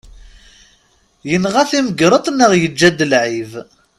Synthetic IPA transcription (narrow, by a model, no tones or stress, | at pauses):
jənʁæθiməɡɾˤət̪ˤnəʁjəd͡ʒːæd̪əlʕiv